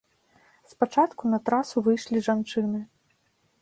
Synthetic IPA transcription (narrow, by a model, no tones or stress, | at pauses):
spat͡ʂat̪kunɐt̪ɾasuvɨjʂlʲiʐant͡ʂɨnɨ